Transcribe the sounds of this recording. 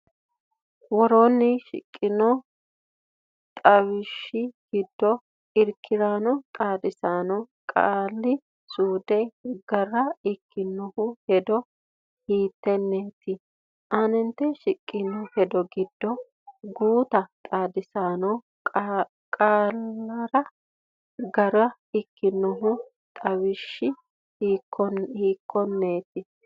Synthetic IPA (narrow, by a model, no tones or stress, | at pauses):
wɔɾoːnːɪʃɪ̰kʼːɪnɔ | t̪ʼɐwɪʃːɪɡ̥ɪd̪ːɔ | ɪɾkʰːɪɾaːnɔt̪ʼaːd̪ɪsaːnɔ | kʼaːlːɪ | suːd̪ɛɡɐrːɐɪkːɪnːɔhʊhɛd̪ɔ | hiːt̪ːɛnːeːt̪ɪ | ʔɐnɛnt̪ːɛʃɪkʼːɪnːɔhɛd̪ɔɡɪd̪ːɔ | ɡuːt̪ɐt̪ʼaːd̪ɪsaːnɔ | kʼaːlɐɾɐ | ɡɐɾɐ | ɪkːɪnːɔɦʊ | t̪ʼɐwɪʃːɪ | hiːkʰːɔhiːkʰːɔnːeːt̪ɪ